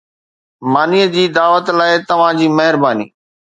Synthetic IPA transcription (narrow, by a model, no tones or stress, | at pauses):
maːniəd͡ʑiːd̪aːʋət̪laːɪt̪ɐʋ̤ãd͡ʑiːmɐɦɪɾbaːnḭː